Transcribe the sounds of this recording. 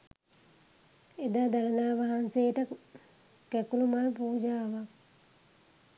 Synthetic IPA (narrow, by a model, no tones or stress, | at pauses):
ed̪aːd̪alɐnaːʋaɦanseːʈə | kækulumalpuːd͡ʒaːʋak̚